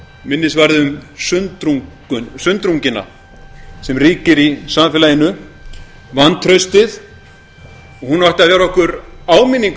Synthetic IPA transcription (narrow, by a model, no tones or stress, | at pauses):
mɪnːɪsvaɾðɪʏmsʏnt̪ɾuŋ | ʏnsʏnt̪ɾuŋcɪnːa̰ | sɛmriːcɪɾisamfɪːlajɪnʏ | vanːt̪ʰɾœɥst̪ɪð | ɔhunawht̪ɪaðvɛːɾaɔhkʏɾaːwminːiŋk